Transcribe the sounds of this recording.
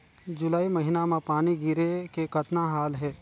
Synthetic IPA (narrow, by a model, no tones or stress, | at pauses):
d͡ʒʊlaːimɐɦɪnamãpaːniɡɪɾekekɐt̪naɦaːlɦɛː